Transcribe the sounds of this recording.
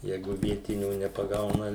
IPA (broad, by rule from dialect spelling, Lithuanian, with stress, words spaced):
ˈjɛɪɡʊ ˈʋʲiɛtʲɪnʲuː nʲɛpɐˈɡɐʊnɐ